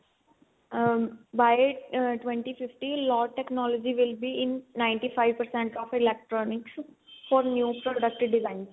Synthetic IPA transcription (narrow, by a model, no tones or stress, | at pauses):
baɪʈʋẽɳʈifɪfʈilɔːʈeknɔːlɔd͡ʒiʋɪlbiɪ̃nːãɪ̃ɳʈifaɪʋpəɾsɛ̃ɳʈɔːfɪlek̚ʈɾɔːnɪksfɔːɾnjuːpɾɔɖək̚ʈɪɖɪzãɪ̃ns